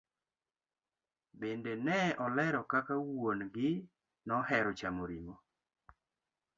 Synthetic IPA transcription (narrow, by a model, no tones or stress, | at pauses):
bendenɛʔɔlɛɾɔkakawonɡɪ | nɔhɛɾɔt͡ʃamoɾimo